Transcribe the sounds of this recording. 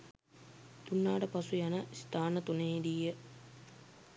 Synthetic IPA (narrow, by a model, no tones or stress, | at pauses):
t̪unːaːʈəpasujanəist̪aːnət̪uneɦid̪ijə